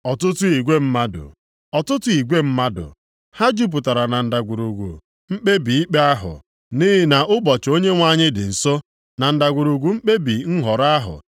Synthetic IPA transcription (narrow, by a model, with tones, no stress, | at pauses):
ɔ˨tʊ˦tʊ˦i˨ɡʷe˦m̩˦ma˦dʊ̰˨ | ɔ˨tʊ˦tʊ˨i˨ɡʷe˦m̩˦ma˦dʊ̰˨ | ha˦d͡ʒu˦p̬ʊ˨ta˨ɾa˨na˨n̩˨da˨ɡʷu˨ɾu˨ɡʷṵ˨ | m̩˦k͡pe˦bi˨i˦k͡pe˦a˦ɦʊ̰˨ | ni˦ɦɪ˨na˨ʔʊ˦bɔ˨t͡ʃo˦ɲe˦ŋʷa˦ɲɪ˦dɪ˨n̩˨so˦ | na˨n̩˨da˨ɡʷu˨ɾu˨ɡʷu˨ŋ͡m̩˦k͡pe˦bi˨ŋ̩˦ɦɔ˨ɾa˦ɦʊ̰˨